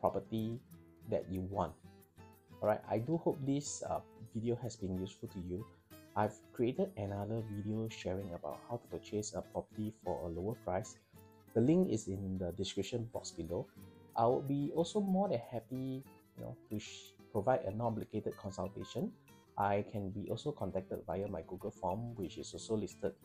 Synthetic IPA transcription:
pʰɹɔpətidɛ̰t̚juwɔ̰̃nt̚ | ɔɹaɪta̰ɪduhop̚d̪isʌ̰vidiohɛsbĩnjusfultuju | ʔaɪvkɹietədɛnadəvidioʃɛɹĩŋəba̰ʊt̚hawtu̥pot͡ʃesəpɹɔpətifɔ̰əloəpʰɹaɪs | d̥əlĩŋkɪsɪ̃ndədiskɹip̚ʃə̃nbɔ̰ksbiloʔaɪwʊd̚biɔlsomɔdɛ̃nhɛpijuno̰tupɹovaɪdə̰nɔbliketəd̚kʰɔ̃nsalteʃə̃n | ʔaɪkʰɛ̃nbiʔɔlsokʰɔ̃ntɛk̚təd̚vajəmaɪɡuɡəlfɔ̃mwɪt͡ʃɪsɔlsolistəd̚

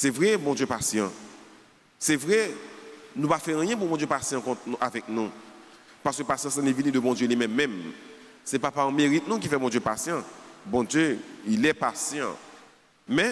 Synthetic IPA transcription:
sɛvʁɛbɔ̃d̪jøpasjɑ̃ | sɛvʁɛ | nũpafɛ̃jɛ̃pubɔ̃djøpasjɑ̃kɔ̃t̪nuavɛk̚nũ | paʁskøpasjɑ̃s̬ãnevinĩd̪əbɔ̃d̪jølimɛ̃mːɛ̃m | sɛpapaɑ̃meʁit̪̚nũk̬ifɛbɔ̃d̪jøpasjɑ̃bɔ̃d̪jøilɛpasjɑ̰̃ | mɛ̃

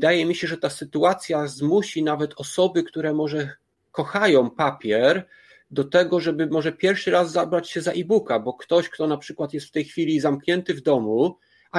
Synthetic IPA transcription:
d̪ajɛmʲiɕɛʐɛt̪asɘt̪uat̪sʲjazmuɕinavɛt̪ʰɔsɔbɘkt̪uɾɛmɔʐɛ | kɔxajɔ̃w̃papʲjɛɾ | d̪ɔt̪ɛɡɔʐɛbɘmɔʐɛpʲjɛɾfʂɘɾazːabɾat͡ɕɕɛzaʔibukabɔkt̪ɔɕkt̪ɔnapʂɘkwat̪jɛst̪ft̪ɛjxfʲilʲizamkɲɛnt̪ɘvd̪ɔmu | a

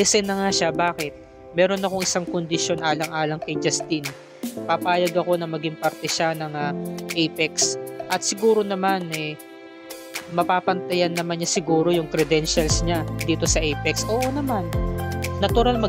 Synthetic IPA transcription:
ɛsɛnɐŋaʃabaːkɛt̪̚ | mɛːɾo̞nɐko̞ŋɪsaŋkond̪ɪʃjo̞nʔaːlɐŋʔaːlɐŋkɐjd͡ʒɐst̪in | papaːjɐɡɐko̞nɐmɐɡɪŋpɐɾt̪ɛʃanɐŋaʔɛjpɛksʔɐt̪sɪɡuːɾo̞nɐmanɛ | mɐpaːpɐnt̪ɐjɐnːɐmanɲasɪɡuːɾo̞jʊŋkɾɛd̪ɛnʃɐlsɲad̪iːt̪o̞sɐʔɛjpɛksʔoːʔonɐmanː | ɐt̪ʊɾalmɐ

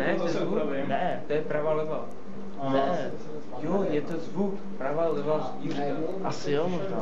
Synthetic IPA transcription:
nɛt̪ | vuvɪnɛt̪ojɛpɾavalɛva | nɛ | jojɛt̪ozvuk | pɾavalɛvasirka | ʔasɪjomoʒna̰ː

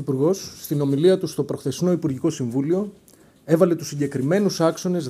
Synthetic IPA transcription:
ipuɾɣo̞sːt̪ino̞miliɐt̪ust̪o̞pɾo̞xθe̞sno̞ipuɾʝiko̞siɱvulio̞ | e̞vɐle̞t̪usːiɲɟe̞kɾime̞nusɐkso̞ne̞z

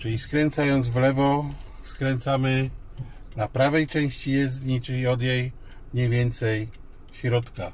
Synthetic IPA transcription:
t͡ʃɨlʲiskɾɛnt̪sajɔnd̪zvlɛvɔ | skɾɛnt̪samɘ | napɾavɛjt͡ʂɛ̃w̃ɕt͡ɕijɛzɲit͡ʂɘlʲiɔd̪jɛj | ɲɛjvʲjɛnt̪sɛj | ɕɾɔt̪ka

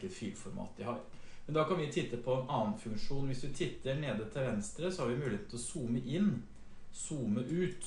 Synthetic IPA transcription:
əfy̰ːlfɔɾmɑ̰ːt̪ʋɪhɑːɾ | mɛnd̪ɑkɑnʋɪt̪ʰɪt̪ːəpʰɔɛnʔɑːnfʉŋkʂuːnʋɪsd̪ɪt̪ʰɪt̪ːəɳeːd̪ət̪ʰɪlʋɛnst̪ɾəsɔhɑɾʋɪmʉːlɪeːt̪ːlɔsuːməʔɪnː | suːməʔʉːt̪

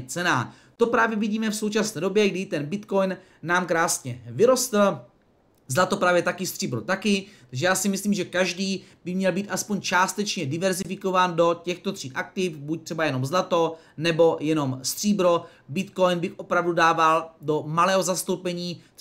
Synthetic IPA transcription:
t͡sɛnaː | t̪o̞pɾaːvjɛviɟiːmɛfso̞wt͡ʃasnɛːdo̞bjɛɡdɪt̪ɛnbɪt̪ko̞jnː | aːmkɾaːsɲɛvɪɾo̞st̪l̩ | zlat̪o̞pɾaːvjɛt̪akɪst̪r̝̥iːbɾot̪akɪt̪aɡʒɛjaːsɪmɪsliːmʒɛkaʒdiːbɪmɲɛlbiːt̪ʔaspoɲt͡ʃaːst̪ɛt͡ʃɲɛdɪvɛɾzɪfɪko̞vaːndo̞cɛxt̪o̞t̪r̝̥iːʔak̚t̪ɪfbuc̚t̪r̝̥ɛbajɛno̞mzlat̪o̞ | nɛbo̞jɛno̞mst̪r̝̥iːbɾo̞ | bɪt̪ko̞jnbɪxʔo̞pɾavdudaːvaldo̞malɛːɦo̞zast̪o̞wpɛɲiː

